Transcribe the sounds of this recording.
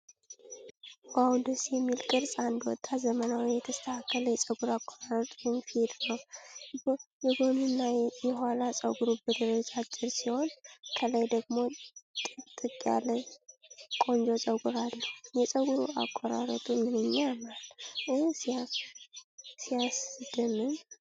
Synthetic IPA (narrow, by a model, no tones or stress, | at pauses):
wawund̪əsjɛmːilkʼɨɾsʼand̪wɔ̰t̪ʼːazəmənawijɛt̪ʰəst̪ʰəhakːələjɛsʼəɡuɾakʼːɔɾaɾət̪ʼuimfed̪nəw | jɛɡonɨnːajɛɦalasʼəwɡuɾubɨd̪ɨɾət͡ʃʼat͡ʃʼːɪɾsiho̞nkʰələjd̪əɡmo̞t̪ʼɨt̪ʼɨkʼja̰lə | kʼo̞nd͡ʒo̞sʼəɡuɾalːujɛsʼəɡuɾuʔa̰kʼːɔɾa̰ɾət̪ʼumɨnɨɲːamalɨsa | sijasɨd̪ɨnɨm